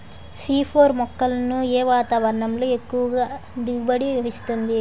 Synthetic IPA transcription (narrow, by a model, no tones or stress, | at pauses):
siːpʰoːɾmɔkːɐlɐnueːʋaːt̪aːʋɐɾɐɳɐmlo̞ːe̞kːuʋɐɡaːd̪iɡubɐɽiist̪und̪i